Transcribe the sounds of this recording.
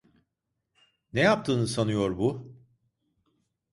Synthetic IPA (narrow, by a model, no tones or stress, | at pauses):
nejap̚t̪ʰɯːnɯsanujo̞ɾbu